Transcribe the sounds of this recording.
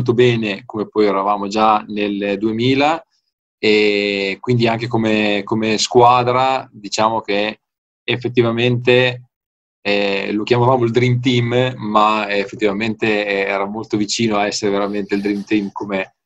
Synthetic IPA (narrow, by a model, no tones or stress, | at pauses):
lt̪̬obɛːnekomepɔjɛɾavaːmod͡ʒaneld̪uemiːla | ekwind̪iaŋk̟ekomekomeskwaːd̪ɾad̪it͡ʃaːmok̟eː | fːet̪̬ːivament̪e | lokjamavaːmoild̪ɾimt̪̬imːaefːet̪ːivament̪eɛːɾamolt̪ovit͡ʃiːnoaɛsːeɾeveɾament̪eild̪ɾimt̪imkoːme